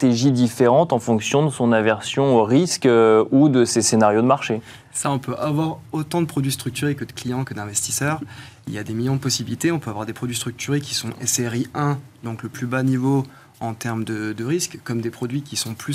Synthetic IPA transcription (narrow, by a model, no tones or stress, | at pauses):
t̪eʒid̪ifeʁɑ̃t̪ɑ̃fɔ̃ksjɔ̃d̪əsɔ̃navɛʁsjɔ̃oʁiskøud̪əsesenaʁjod̪əmaʁʃe | saɔ̃pøʔavwaʁot̪ɑ̃d̪əpχɔd̪ɥist̪χyk̚t̪yʁekəd̪əklijɑ̃kəd̪ɛ̃vɛst̪i̥sœːʁḭljad̪emiljɔ̃d̪əpɔsibilit̪eɔ̃pøavwaʁd̪epχɔd̪ɥist̪χyk̚t̪yʁekʲi̥sɔ̃ʔɛsɛʁiɛ̃d̪ɔ̃kləplybanivo | ɑ̃t̪ɛʁmd̪əd̪əʁiskːɔmd̪epχɔd̪ɥikʲisɔ̃ply